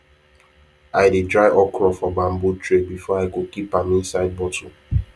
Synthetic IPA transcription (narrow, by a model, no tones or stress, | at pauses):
ajdidɾajʔɔkɾɔfɔbam̩butɾebifɔaɪkokipamĩnsaɪd̚bɔtu